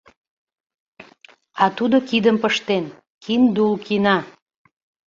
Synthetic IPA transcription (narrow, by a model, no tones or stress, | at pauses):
ɑt̪ud̪okid̪əmpəʃt̪en | kʰind̪ulkinɑ